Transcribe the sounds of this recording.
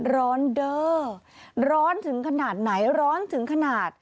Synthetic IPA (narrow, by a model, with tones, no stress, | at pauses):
ɾɔː˦˥ndɤː˧˩ | ɾɔː˦˥nt̪ʰɯ˨˩˦ŋkʰa˧naː˨˩t̪̚na˩˦jɾɔː˦˥nt̪ʰɯ˩˦ŋkʰa˧naː˨˩t̪̚